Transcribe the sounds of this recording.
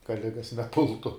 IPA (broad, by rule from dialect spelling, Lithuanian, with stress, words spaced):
kɐ ˈlʲɪɡɐs nʲɛˈpʊlˠtʊ